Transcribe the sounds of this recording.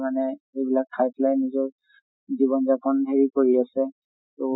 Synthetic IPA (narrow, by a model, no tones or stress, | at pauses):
manɛejbilakpʰajpʰlajnːizɔɹ | ziβɔnzakʰɔnɦeɹikoɹiasɛ | to